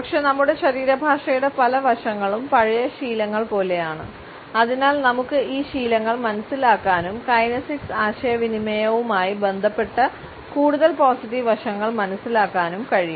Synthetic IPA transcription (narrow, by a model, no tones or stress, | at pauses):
pɐkʂe̞nɐmːuɽe̞ɕɐɾiːɾɐbʱaːʂɐjuɽe̞pɐlɐʋɐʂɐŋːɐɭumpɐɻɐjɐɕiːlɐŋːɐɭpo̞ːle̞jaːɳɨ | ɐðinaːlnɐmukːɨiːɕiːlɐŋːɐɭmɐnɐsːilaːkːaːnumkɐjnɐsiksaːɕɐjɐʋinimɐjɐʋumaːjibe̞nd̪ʱɐpːe̞ʈːɐ | kuːɽuðɐlpoːsiʈːiʋʋɐʂɐŋːɐɭmɐnɐsːilaːkːaːnumkɐɻiju